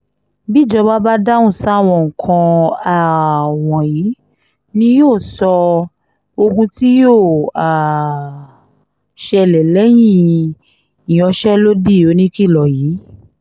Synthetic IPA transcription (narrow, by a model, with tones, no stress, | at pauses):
bi˦˨d͡ʒɔ˧ba˦ba˦da˦ũ˦˨sa˦˨w̃ɔ̃˧˨ŋ̩˨kʰã˧a˨w̃ɔ̃˨ji˨˦ | nĩ˧˦joː˦˨sɔ˧ | o˧ɡũ˧ti˦jo˦˨a˨ | ʃɛ˧˨lɛ˨lɛ˨˦j̃ĩ˦˨ | i˨j̃ɔ̃˧ʃɛ˦lo˦di˦˨o˨˦nĩ˦ki˦˨lɔ˨jiː˨˦